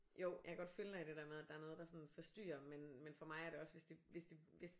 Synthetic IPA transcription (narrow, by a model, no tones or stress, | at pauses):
joʊ̰jɑakʰæɡɒ̽d̥følənɑd̥e̝d̥eɐmeð̞ˠd̥ɑ̈æɐnɔ̽ːðˠd̥ɑ̈sɒ̽nn̩fɒ̽sd̥y̰ːɐmenmenfɒ̽mɑ̈ɪæɐɾe̝ɒ̽sʋe̝sd̥iʋe̝sd̥iʋe̝s